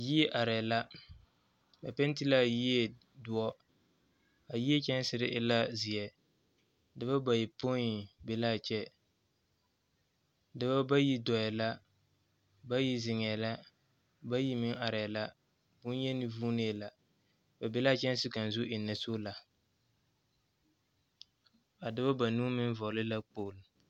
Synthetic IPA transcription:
ji˦ɛ˦ʔa˨ɾɛ˨la˦ | ba˨pɛ˦n˦ti˦la˦ji˦e˨ | dʊ˦ɔ˦ | a˨ji˦ɛ˦t͡ʃɛ˦n˦sɪ˨ɾɪ˦ʔɪ˦la˦zi˨ɛ˨ | dɨ˦ba˦ba˨ji˨po˦i˨bɪ˨la˦t͡ʃɛ˦ | dɨ˦ba˦ba˦ji˦dɔ˨jɛ˨la˦ | ba˦ji˦zɪ˨ŋɛ˨la˦ | ba˦ji˦mɪ˦ŋa˨ɾɛ˨la˦ | bʊ˦n˦jɛ˦nɪ˦vuː˦ne˦˨la˨ | ba˨bɛ˦la˦˨t͡ʃɛ˦n˦sɪ˦ka˨n˨zʊ˦ɪ˨nːa˨so˦la˨ | a˨dɪ˦ba˦ba˨nuː˦mɪ˦n˦vɔ˨lɪ˦la˦k͡poː˨l

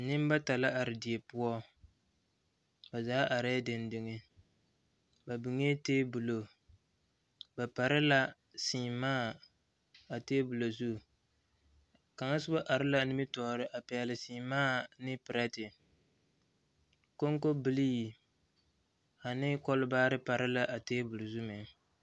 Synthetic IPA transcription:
nɪ˦m˦ba˦ta˨la˦ʔa˨ɾɪ˨di˨e˨pʊ˦ɔ˦ | ba˨zaː˨˦ʔa˨ɾa˦dɪ˨ndɪ˨ŋɪ˦ | ba˨bɪ˨ŋe˦teː˦bʊ˨lo˨ | ba˨pa˨ɾɪ˦la˦ | siː˨maː˦ | a˨teː˦bʊ˨lo˨zu˦˨ | ka˨ŋa˦sʊ˦a˦ʔa˨ɾɪ˦la˦nɪ˦mɪ˦tɔː˨ɾɪ˦ʔa˨pɛ˨lɪ˨siː˨maː˦nɪ˦pɨ˨ɾa˦tɪ˨ | ko˦ŋ˦ko˦bɨ˦li˦i˨ | a˨nɪ˦kɔ˦lbaː˦ɾɪ˦pa˨ɾɪ˦la˦ʔa˨teː˦bʊ˨lo˨zu˦mɛ˨

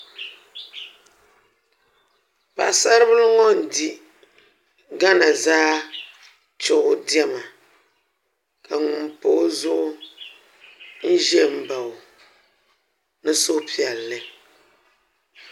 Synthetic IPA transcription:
pa˨sa˦ɾɨ˦bɨ˦lŋɔ˦n̩˨di˨ | ɡa˦na˨zaː˦ | t͡ʃʊ˦ʔʊ˦di˦ɛ˦ma˨ | kʰa˨ŋʊ˨m˨po˦zʊ˦ʔʊ˦ | n̩˦ʒɛ˦˨m̩˨ba˨ | nɨ˦so˦pi˨ɛ˨lːɨ˦

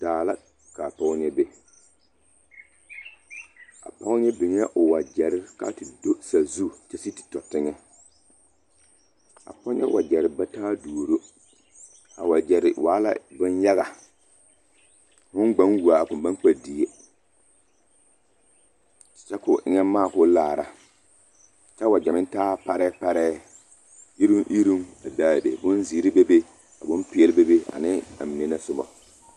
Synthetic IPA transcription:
d̥aː˨la˦ | ka˨pa˦ʊ˦ɲɛ˦be˦ | a̰˨pa˦ʊ˦ɲɛ˦bɪ˨ɲ˦ʔʊ˨wa˨d͡ʒɛ˨ɾɪ˦ka̰˦tɪ˨do˦sa˨zu˦˨t͡ʃɛ˨si˦tɪ̥˨tɔ˨tɪ˦ŋɛ˦ | a̰˨pɔ˦ɲɛ̰˦wʔa˨d͡ʒɛ˨ɾɪ˨ba˦taː˦duː˨ɾo˦ | a̰˨wa˨d͡ʒɛ˨ɾɪ̰˨waː˨˦la̰˦bʊ˦nja˦ɣa˨ | hʊ˦nɡ͡ba˦ŋwu˨a˨kʊ˨ba˦k͡pa˨di˨e˦ | t͡ʃɛ˦kʊ˨ʔɪ˦ŋɛ˦maː˦˨kʊ˦laː˨ɾa˦ | t͡ʃɛ˦wa˨d͡ʒɛ˨mɪ̃˦ntaː˦pa˦ɾɛː˦pa˦ɾɛː˦ | i˦ɾu˦ŋʔi˦ɾu˦ŋa˨daː˦˨be˨bʊ˦nzi˨˦ɾi˦be˦be˦ | a˨bʊ̃˦mpɪ˦ɛ˦lɪ˦be˦be˦a̰˨nɪ˦a̰˨mi˨ne˦na˦sʊ˦bɔ̰˨

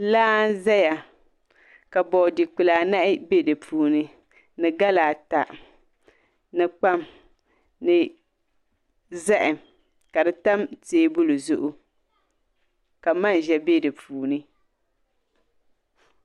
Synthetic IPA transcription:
laː˦n˦za˦ja˨ | ka˨bɔ˨di˨k͡pɨ˨laː˨na˦ʔɪ˦be˦dɨ˨pʰuː˨nɨ˦ | nɨ˨ɡa˦laː˨ta˨ | nɨ˨k͡pa˦m | nɨ˨ | za˦ʔɪ˨ | ka˨dɨ˨ta˦mteː˨˦bʊ˦lu˨zʊ˦ʔʊ˦ | ka˨ma˦n˨ʒɛ˨be˦dɨ˨pʰuː˨nɨ˦

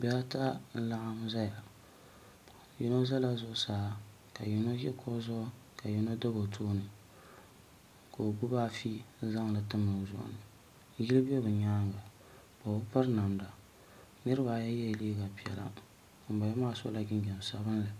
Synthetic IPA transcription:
bɛ˨a˦ta˦n̩˦la˦ʔa˦m˦za˦ja˨ | ji˦no˦za˦la˦zʊ˦ʔʊ˦saː˨˦ | ka˨ji˨no˦jɛ˦kʰo˦zʊ˦ʔ | ka˨ji˨no˦da˦bo˨tʰoː˦nɨ˨ | ko˨ɡu˦ba˦fi˦za˦ŋ˨lɨ˨tɨ˦mɨ˨zʊ̰˦˨ʔʊ̰˨nɨ˨˦ | ji˦lɨ˦bo˦bɨ˨ɲaː˦ŋ˨ɡa˨ | ba˨ʊ˦pa˦ɾna˨mda˨ | nɨ˦ɾɨ˦ba˨ja˦jɛ˦˨liː˦ɡa˨pi˨ɛ̰˨la̰˦˨ | m̩˨ba˨jɛ˦maː˦˨so̰˦la˨ɡɪ˦n˦d͡ʒɛ˨n˨sa˨bɨ˦nlɨ˨

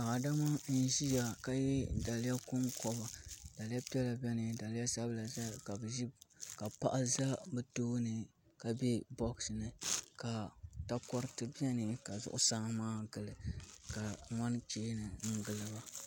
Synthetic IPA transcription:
a˨ʔa˨da˦ma˦n̩˦ʒi˦ja˨ka˦jɛ˦da˨la˦kʊ˦nkɔ˦ba˨da˨lja˦pi˦ɛ˦la˨bɛ˦nɨ˨da˨lja˦sa˦bla˨za˦ka˨bɨ˨ʒi˦ka˨pa̰˦ʔa˦za˦bɨ˦toː˦nɨ˨ | ka˨bɛ˦bɔ˦ksɨ˨nɨ˨ka˨ta˦kɔ˦ɾɨ˦tɨ˦bi˦ɛ˦nɨ˨ka˨zʊ̰˦ʔʊ̰˦sa˦ŋ˦maː˦ɡɨ˨lɨ˨ka˨ŋɔ˦n˦t͡ʃeː˦nɨ˨ŋ̩˦ɡɨ˨lɨ˦ba˦

